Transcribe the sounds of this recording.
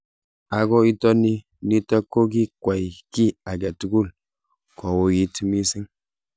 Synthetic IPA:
a˨ɡo˦i˦tɔ˦ni˦ | ni˦ta˦kːo˦ɡi˦kwa˨jki˦a˨ɡa˨tu˨˦ɡu˦˨l | kʰo˨wo˨ji˨˦tmi˦si˦ŋ

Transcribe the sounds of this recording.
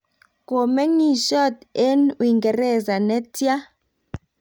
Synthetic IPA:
kɔ˨mɛ˦ŋi˦ʃɔ˦˨tɛ˦nwi˨ŋɡɛ˨rɛ˦˨za˨nɛ˦tʰʼi˦a˦

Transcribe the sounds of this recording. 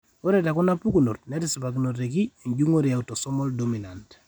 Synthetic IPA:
o˦ɾe˦ta˨ku˦na˦pu˦ku˨no˨tnɛ˦ti˦si˨pa˨k̬i˦no˨t̬e˨k̬i˦e˨ɲd͡ʒu˦ŋo˦ɾi˨a˨u˨to˨sɔ˦mɔ˦ldo˦mi˨na˨nt

